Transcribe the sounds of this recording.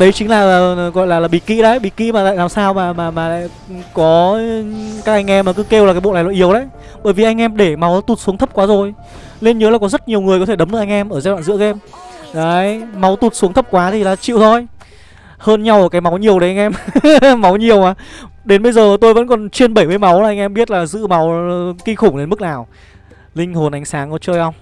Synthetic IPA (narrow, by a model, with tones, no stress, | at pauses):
ɗə˨˦jt͡ɕï˨˦ŋ̟laː˨˩˨ɣɔ̰˧˨jlaː˨˩laː˨˩ɓḭ˧˨˩kḭ˧˥ɗə˨˦jɓḭ˧˨kḭ˧˥maː˨˩t̪a̰ː˧˨laː˨˩msaː˧wmaː˨˩maː˨˩maː˨˩la̰ː˧˨j | kɔ˨˦ | kaː˦˥k̚ʔa˧ŋ̟ʔɛ˧mːaː˨˩kɨ˨˦ke˧wla˨˩kaː˨˦jɓo̰˧˨lːaː˨˩jlɔ̰aː˧˨ʔi˨˦əwɗə̰˧˦j | ɓəː˧˩jvi˨˩ʔa˧jŋ̟ʔɛ˧mɗe˧˩ma˨˦wt̪u˨˩t̚su˨˦ət̪ʰp̚kwaː˨˦zo˨˩j | le˧nɲə˨˦laː˨˩kɔ˨˦zə˦˥t̚ɲi˨˩əwŋɨ˨˩əjkɔ˨˦t̪ʰe˧˩ɗə˨˦mɗkʔa˧ŋ̟ʔɛ˧mʔəː˧˩zaː˧˦ɗwa̰ː˧˨zɨ̰˧˥kɛ˧m | zəː˨˦jma˨˦wt̪u˨˩t̚su˨˦ŋt̪ʰə˦˥p̚kwaː˨˦t̪ʰi˨˩laː˨˩t͡ɕḭ˧˨wt̪ʰo˨˩j | həː˧nɲa˧wʔəː˧˨˩kaː˨˦jma˨˦wɲi˨˩əwɗə˨˦jʔŋ̟ʔɛ˧mma˨˦wɲi˨˩əwaː˨˩ɗe˨˦nɓə˧jzəː˨˩˨t̪o˧jvə̰˧˥nkɔ˨˩nt͡ɕwi˧ənɓə˧˩jmɨ˧əjma˨˦wa˨˩ʔa˧ŋ̟ʔɛ˧mɓi˦˥ət̚laː˨˩zɨ̰˧˥ma˨˦wki˧xʊ˧˩ŋ͡mɗe˨˦nmɨ˦˥k̚naː˨˩w | lï˧ŋ̟ho˨˩nʔa˨˦jŋ̟saː˨˦ŋkɔ˨˦t͡ɕəː˧jʔə˧wŋ͡m